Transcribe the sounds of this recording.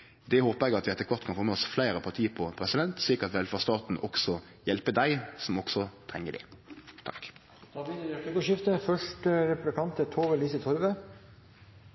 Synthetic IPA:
d̪ɛhoːpəʁɛɡɑt̪ʋɪɛt̪ːəkʰʋɑʁt̪kʰɑnfoːmɛɔsflæɪɾəpʰɑʁt̪ʰiːəpʰɔpʰʁɛsɪd̪ɛnt̪sɭiːkəɑt̪ʋɛlfɑʁst̪ɑːt̪n̩ʔɔɡsɔ | jɛlpəd̪æɪsɔmɔɡ̥sɔt̪ʰʁɛŋːəd̪ɛ̰t̪ʰɑk | t̪ʰɑʋid̪ɑkːɡʊʃɪft̪əfœʂʈəɾɛpʉblɪkʰɑnt̪ət̪ʰoːʋəliːsət̪ʰɔɾʋə

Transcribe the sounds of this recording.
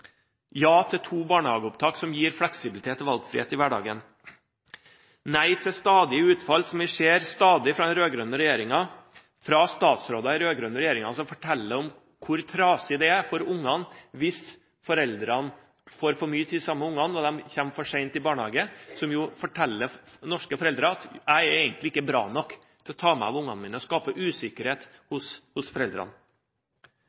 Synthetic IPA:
jɑːt̪ʰɪt̪ʰuːbɑːɳəhɑːɡəʊp̚t̪ʰɑːksɔmjiːɾflɛksɪblɪt̪ʰeːt̪ʰːɔʋɑlɡfɾɪ̰ḛːt̪ɪʋæɖɑ̰ːɡən | næɪt̪ʰɪst̪ɑːd̪ɪəʉːt̪fɑlsɔmɪʂeːɾst̪ɑːd̪ɪfɾɑd̪ɛnɾøːɡɾœnːəɾɛjeːɾɪŋɑ | fɾɑst̪ɑːt̪sɾoːd̪ɑɪɾøːɡɾœnːəɾɛjeːɾɪŋɑsɔmfɔʈʰɛlːəɔm | kʰʊɾt̪ʰɾɑːsɪd̪ɛæfɔɾʊŋːɑnʋɪs | fɔɾɛld̪ɾɑn | foːɾfɔɾmyːət̪ʰiːd̪sɑmːəʊŋːɑnɔd̪ɛmçɛmfɔʂɛɪnt̪ɪbɑːɳhɑːɡəsɔmjʊfɔʈʰɛlːənɔʂkəfɔɾɛld̪ɾɑɑt̪æɪɾæɪɡənt̪lɪɪkːəbɾɑ̰ːnɔkː | t̪ʰɪlɔt̪ʰɑːmɛ̰ɑ̰ʋʊŋːɑ̰nmɪnəɔskɑːpəʔʉːsɪkəɾheːt̪hʊshʊsfɔɾɛld̪ɾɑ̰n

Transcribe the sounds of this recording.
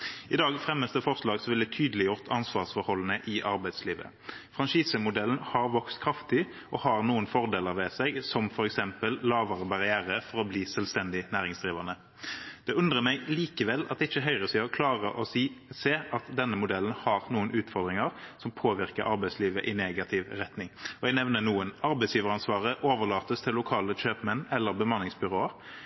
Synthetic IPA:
ɪd̪ɑːɡfʁɛmːəst̪əfɔʁʂlɑːɡsɔʋɪlɛt̪ʰyːd̪əlɪjʊʁt̪ʰɑnsʋɑːʁsfɔɾhɔlːənəʔɪʔɑɾbæɪd̪sliːʋə̰ | fʁɑnʃiːsəmʊd̪ɛln̩hɑʁʋɔkst̪kʰʁɑft̪ɪ | ʔɔhɑʁnuːənfɔʁd̪eːləɾʋɛsɛɡsɔmfɔɾɛksɛmpəllɑːʋɑʁəbɑʁɪæːʁəfɔʁɔbliːsɛlʋst̪ɛnd̪ɪnæːʁɪŋsd̪ʁiːʋɑnə | d̪̥ɛʉnd̪ʁəmɛɪliːkəʋɛlɑ̰t̪d̪ɛɪçːəɦœʏʁəsiːɑkʰlɑːʁəʔɔsiseːɑt̪d̪ɛnːəmʊd̪ɛlnhɑʁnuːənʔʉːt̪fɔʁd̪ɾʁɪŋəʁsɔmpʰoːʋɪɾkəɾɑɾbæɪsliːʋə̰ʔɪneːɡɑt̪ʰɪʋʁɛt̪nɪŋɔɛɡnɛʋnənuːənɑɾbɛɪsjiːʋəɾɑnsʋɑːʁəʔoːʋəʁlɑːt̪əst̪ʰɪlːʊkʰɑːləɕøːpmɛnːɛlːəɾbəmɑnːɪŋsbʏʁoːəɾ

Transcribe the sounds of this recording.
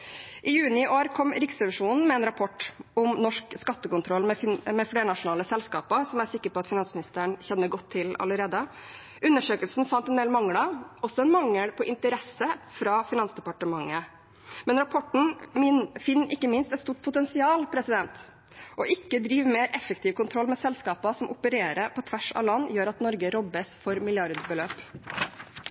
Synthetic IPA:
ʔɪjʉːnɪʔoːɾkʰɔmɾɪksɛʋɪʂuːnn̩mɛɛːnɾɑpʰɔʈːʊmnɔʂkskɑt̪ːəkʊnt̪ʰɾɔlːmɛmɛfɽeːɾənɑʂʊnɑːləsɛlskɑːpəɾsɔmæɾsɪkːəɾpʰɔɑt̪fɪnɑnsmɪnɪst̪əəɳçɛnːəɡɔt̪ʰːɪlɑ̰ləɾeːd̪ə | ʔʉnːəʂøːkəlsn̩fɑnt̪ɛnd̪eːlmɑŋːɽɑɔsːɔɛnmɑŋːəɽpʰɔʔɪnt̪əɾɛsːəfɾɑːfɪnɑnsd̪ɛpɑʈəmɑŋːə | mɛnɾɑpʰɔʈɳ̩ | fɪnːʔɪkːəmɪnst̪ɛt̪st̪uːʈ̚pʰʊt̪ɛnsɪɑːlpʰɾɛsɪd̪ɛnt̪ | ʔɔʔɪkːəd̪ɾiːʋmeːɾʔɛfəkt̪ʰɪːʋkʊnt̪ʰɾɔlːmɛsɛlskɑːpɑsɔmʔʊpəɾeːɾəɾpʰɔt̪ʰʋæʂɑ̰ʋlɑnːjøːɾɑt̪nɔɾɡəɾɔbːəsfɔɾmɪljɑɾd̪bəløːp

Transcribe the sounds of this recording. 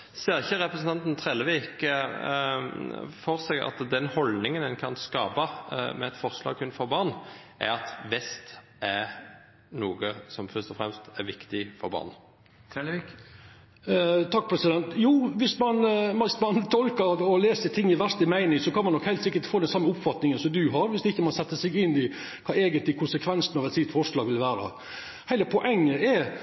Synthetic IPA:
seːʁɪçəʁɛpɾəsn̩t̪ɑnt̪nt̪ʰʁɛləʋiːk | fɔʁsɛɡɑ̰t̪d̪ɛnhɔld̪nɪŋənɛnkʰɑnskɑːbɑmɛɛt̪fɔʁslɑ̰ːɡkʉnfɔɾbɑʁnʔɛ̰ɾɑt̪ʋɛst̪ | æ | nuːɡəsɔmfœʁʂt̪ɔfʁɛmst̪æʁʋɪkt̪ɪfɔɾbɑ̰ʁn | t̪ʰɑk̚ːpʰɾɛsɪd̪ɛnt̪juːʋɪsmɑnmɑsmɑnt̪ʰɔlkəɾɔleːsət̪ʰɪŋːɪʋæɾst̪ɪmæɪnɪŋsɔkʰɑnmɑnd̪ɔkhæɪlt̪sɪkːəʈfoːd̪ɛnsɑmːəʊpfɑt̪nɪŋənsɔmd̪ʉɦɑɾʋɪsd̪ɛɪçːəmɑnsɛt̪ːəsɛɡɪnːɪ | kʰɑːeːɡənt̪lɪkʰʊnsəkʰʋɛnsənɑʋɛt̪sɪt̪fɔʂɭɑːɡʋɪlʋæːɾə̰ | hæɪləpʰɔʔɛŋːəʔɛ

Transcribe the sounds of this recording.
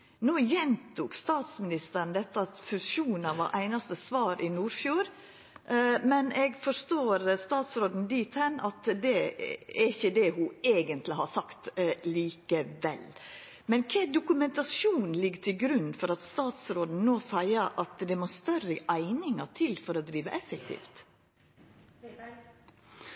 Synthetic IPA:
noːjɛnt̪ʰuːkst̪ɑːt̪smɪnɪst̪əɾnd̪ɛt̪ːəɑt̪fʉʃuːnɑʋɑ̰ʔæɪnɑst̪əsʋɑːɾʔɪnuːɾfjuːɾ | mɛnɛɡfɔst̪oːɾst̪ɑːt̪sɾoːd̪n̩d̪iːt̪hɛnːʔɑt̪d̪ɛæɾɪçəd̪ɛhʊeːɡənt̪lɪhɑsɑkt̪liːkəʋɛ̰l | mɛnkʰɛːd̪ʊkʉmɛnt̪ɑsuːnn̩lɪɡːt̪ʰɪlɡɾʉnːfɔɾɑt̪st̪ɑːt̪sɾoːd̪n̩noːsæɪəʔɑt̪d̪ɛmost̪œrəʔæɪnɪŋɑt̪ʰɪlfɔɾɔd̪ɾiːʋə̰ʔɛfɛk̚t̪ʰḭːft̪

